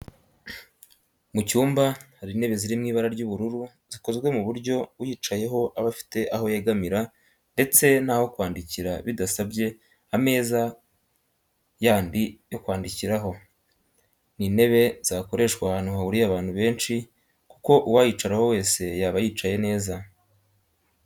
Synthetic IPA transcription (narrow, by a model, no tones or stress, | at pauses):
mucuːmbahaɾine̞βe̞ziɾimŋiːβaɾaɾɟuβuɾuɾu | z̥iko̞zɡwe̞muβuɾɟo̞ujiːt͡ʃaje̞ɦo̞ʔaβafi̥te̞ʔaɦo̞jeɡamiɾa | nde̞t͡se̞n̥haho̞kwaːndiciɾaβidasabɟe̞ | ame̞ːza | jaːndijo̞kwaːndiciɾaɦo̞ | nine̞βe̞z̥aːko̞ɾe̞ʃkwahaːnhuhauɾiaβaːn̥huβe̞ːnt͡ʃi | kuko̞ʔuwajit͡ʃaɾaho̞we̞ːse̞jaːβajiːt͡ʃaje̞ne̞ːza